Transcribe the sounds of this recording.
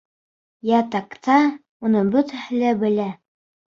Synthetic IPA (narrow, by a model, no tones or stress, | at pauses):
jæt̪ɑkt̪ʰɑ | unɤbɵt̪æhɘ̆læbɘ̆læ